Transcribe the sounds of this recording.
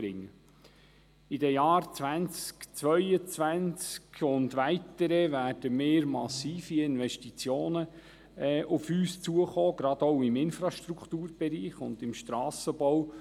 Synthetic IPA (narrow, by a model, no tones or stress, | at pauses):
ɾɪŋːə | idəjɑːrt͡sʋænt͡skt͡sʋœʏət͡sʋænt͡skʰʊndʋæɪt̪əɾəvæːrd̥əmeːɾmɑsiːfiɪnʋɛʃtit͡sjoːnə | ʔʊfyːst͡suəχoːɡɾɑd̥̪ɔʊɪmɪnfrɑʃt̪ɾukt̪uːɾb̥ɛɾiːχʊ̰nd̥̪ɪmʃtɾɑːsəbɔw